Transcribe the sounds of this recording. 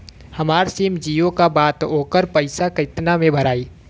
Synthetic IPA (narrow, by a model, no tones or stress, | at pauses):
hɐmaːɾsiːmd͡ʒiːjõkabaːt̪oːkəɾpəɪsakɪt̪namẽbʱɐɾaːiː